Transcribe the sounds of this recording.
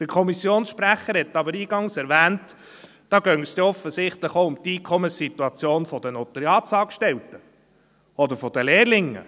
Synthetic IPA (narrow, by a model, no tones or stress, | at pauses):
d̪̥əɾkʰɔmisjoːnsʃpɾæχːəɾhɛtːɑbəɾiːɡ̥ɑŋsɛɾʋæːnt | d̥ɑːɡœŋst̪ɛɔfəsɪχt̪ləχoʊmt̪iːkʰɔməsituɑt͡sjoːnfɔd̥̪ənot̪əɾjɑːtsɑːkʃtɛltə | ɔd̪əɾfɔd̥̪əleːɾlɪŋːə̰